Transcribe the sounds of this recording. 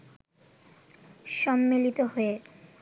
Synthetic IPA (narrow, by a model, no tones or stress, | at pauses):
ʃɔmːilit̪oɦoe